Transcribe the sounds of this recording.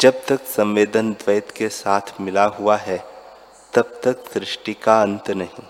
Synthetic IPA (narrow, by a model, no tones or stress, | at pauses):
d͡ʒɐb̚t̪ɐksɐ̃mʋeːd̪ənd̪ʋɐːt̪kesaːt̪ʰmɪlaɦʊaɦɛ | t̪ɐb̚t̪ɐksɾɪʃʈikaɐ̃nt̪nɐɦĩː